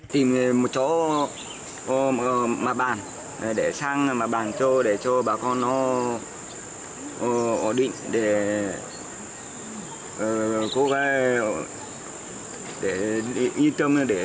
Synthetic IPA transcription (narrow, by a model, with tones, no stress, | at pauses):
t̪i˨˩m˨mo˨t̚t͡ɕɔ˨˦˧ | ma˨ɓaː˨˩n˨ | ɗe˧˩˨saː˧ŋmaː˨˩ɓaː˨˩nt͡ɕɔ˧ɗe˧˩t͡ɕɔ˧ɓaː˨˩kɔ˧nːɔ˨˦˧ | ɔ˧˩ɗḭ˧˨ŋɗe˧˩˨ | ko˧˦ka˧˦ | ɗe˧˨˩ʔi˧t̪ə˧m˧ɗe˧˩˨